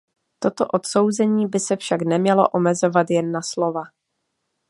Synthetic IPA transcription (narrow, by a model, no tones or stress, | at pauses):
t̪o̞t̪oʔo̞t̪so̞wzɛɲiːbɪsɛfʃaknɛmɲɛlo̰ʔo̞mɛzo̞vat̪jɛnːaslo̞va